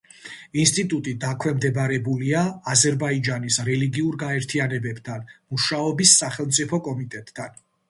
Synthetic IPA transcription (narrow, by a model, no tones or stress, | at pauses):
inst̪ʼit̪ʼut̪ʼid̪akʰwɛmd̪ɛbaɾɛbuliaːzɛɾbaid͡ʒanisɾɛliɡiuɾɡaɛɾt̪ʰianɛbɛb̥t̪ʰanmuʃaɔbisːaχɛlˠmt̪sʼipʰɔkʼɔmit̪ʼɛt̪ʼːan